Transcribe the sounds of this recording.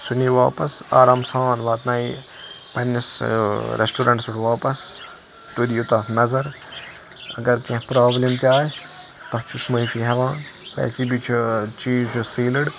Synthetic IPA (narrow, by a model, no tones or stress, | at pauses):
suniːʋaːpɐsa̰ːɾaːmsaːnʋaːt̪naːi | pɐnːɐsɾḛsʈuːɾɐɳʈsɪʈʰʋaːpɐs | t̪ud̪ijut̪ɐfmɐzɐɾ | ɐ̰ɡɐɾkẽpɾaːblemt̪ʲjaː | t̪ɐft͡ʃʰusmɐifʰiɦɐʋãːpɛ̰ːsiːbit͡ʃʰut͡ʃiːzt͡ʃʰusiːlɨɽ